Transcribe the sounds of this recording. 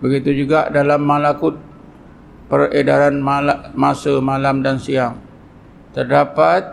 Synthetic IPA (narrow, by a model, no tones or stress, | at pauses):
bəɡit̪ud͡ʒuɡaʔdalamːalakʊt̪̚ | pəredaɾanmalmasəmalamdansiaŋ | t̪ərdapat̪̚